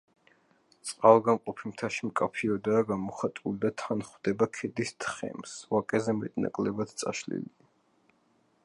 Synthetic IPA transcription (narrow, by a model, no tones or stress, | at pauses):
t̪sʼqʼalˠɡamqʼɔpʰimt̪ʰaʃimkʼapʰiɔd̪aːɡamɔχat̪ʼulid̪at̪ʰanχwd̪ɛbakʰɛd̪ist̪ʰχɛ̰msvakʼɛzɛmɛt̪ʼna̰kʼlɛbat̪ʰt̪sʼa̰ʃlḭli